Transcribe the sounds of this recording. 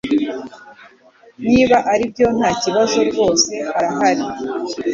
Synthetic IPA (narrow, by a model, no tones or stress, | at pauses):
niːβaʔaɾibjo̞n̥haːciβazo̞ɾɡo̞ːse̞haɾaɦaɾi